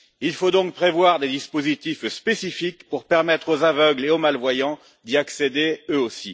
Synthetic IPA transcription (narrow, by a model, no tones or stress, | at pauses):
ilfod̪ɔ̃k̚pχevwaʁd̪ed̪ispozit̪ifspesifikpuʁpɛʁmɛt̪χozavœɡleomalvwajɑ̃ | d̪iaksed̪eøosi